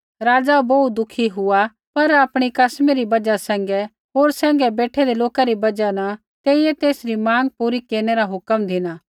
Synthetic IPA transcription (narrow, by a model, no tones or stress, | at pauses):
ɾaːd͡ʒaboud̪ʊkʰiɦʊa | pɐɾaːpɽ̃ikɐsmeɾibɐd͡ʒasɛ̃ːŋɡɛ | ɦoːɾsɛ̃ːŋɡɛbeːʈʰɛd̪eloːkaɾibɐd͡ʒana | t̪eːijɛt̪eːsɾimãːŋɡ̚puːɾikeːɾñeɾaɦʊkəmd̪ʱɪnaː